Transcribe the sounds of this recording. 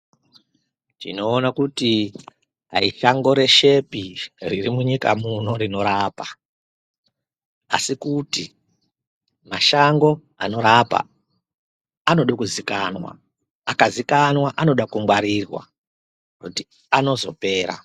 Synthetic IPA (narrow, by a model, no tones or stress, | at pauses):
t͡ʃḭno̞ːnakuti | a̰iʃaŋɡo̞ɾe̞ʃe̞piririmuɲika̰muno̞ɾino̞ɾaːpa | a̰sikutḭ | maʃaŋɡo̞ | a̰no̞ɾapa̰ | ano̞ɗokuzikanwa̰ | akazikanwaʔano̞ɗakuŋɡwaɾirwa̰ | kuti | ano̞zo̞̰pe̞ːɾa̰